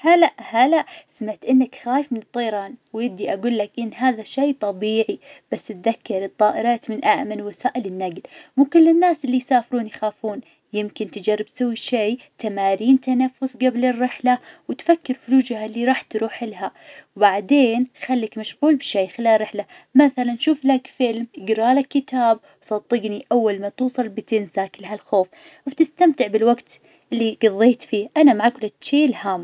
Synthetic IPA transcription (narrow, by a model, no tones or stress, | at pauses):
halaʔhalaʔsmaʕt̪ʔɪnːakxaːjɪfmɪnɨt̪ˤːɑjɾˤɑːnwjɪb̚d̪iʔaɡuːlːakʔɪnːɦaːðaʃajt̪ˤɑbiːʕib̥asːt̪ðakːɑɾˤɨt̪ˤːɑːʔɪɾɑːt̪mɪnʔaʔmalwasaːʔɪlɪnːaɡlmukʊlːɪnːaːsʔɪlːijsaːfɾuːnjxaːfuːn | jɪmkɪnt̪ɪd͡ʒarˤːɪb̚t̪sawːiʃeː | t̪amaːɾiːnt̪anafːʊsɡablɪrːɪħlawɪt̪fakːɪɾfʊluːd͡ʒhalːiɾˤɑːħt̪ɾuːħɪlɦawbaʕd̪eːnxalːakmaʃɣuːlbʃeːxɪlaːrːˤɪħla | maθalanʃuːflakfɪlmʔɪɡɾˤɑːlakːɪt̪aːb̚ | wsˤɑt̪ˤːɨɡniʔawːalmat̪uːsˤɑlbɪt̪ɪnsaklaɦalxoːf | bt̪ɪst̪amt̪ɪʕbɪlwaɡt̪ | ʔɪlːiɡɑðˤːeːt̪fiːʔanamaʕakʊlɪʃeːlhaːm